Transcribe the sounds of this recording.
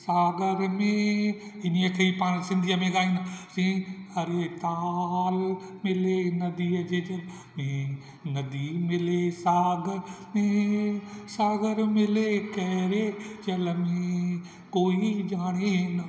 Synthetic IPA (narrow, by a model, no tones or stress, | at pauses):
saːɡəɾmẽɪniəkʰeːipaːɽ̃sɪ̃nd̪ʱijəmẽɡaːinɪ̆sĩːɐɾet̪aːlmɪlenɐd̪iːəd͡ʑeːd͡ʒɐl | mẽ | nɐd̪imɪlesaːɡəɾmẽ | saːɡəɾmɪlekɐɦɾed͡ʒɐləmẽ | koːid͡ʑaːɽ̃enɐ